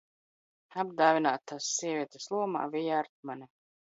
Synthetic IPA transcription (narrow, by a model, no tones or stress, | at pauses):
abd̪aːvʲinaːt̪ʰːasːiɛvʲiɛt̪ɛslˠuɔma̰ːvijaɾt̪̚manʲɛ